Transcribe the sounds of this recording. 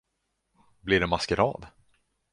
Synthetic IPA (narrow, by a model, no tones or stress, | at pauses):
blɪɖɛmaskəɾɑ̰ːd̪